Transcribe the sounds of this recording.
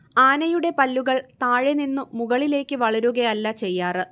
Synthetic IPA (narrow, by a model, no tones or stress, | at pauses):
aːnɐjuɽe̞pɐlːuɣɐɭt̪aːɻeninːumuɣɐɭile̞ːkʲːɨʋɐɭɐɾuɣɐjɐlːɐt͡ɕe̞jːaːrɨ